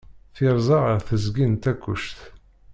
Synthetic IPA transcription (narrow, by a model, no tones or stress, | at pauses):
θɪɾˤzˤɑʁəɾθəzɡint̪ækʷːʊ̰ʃθ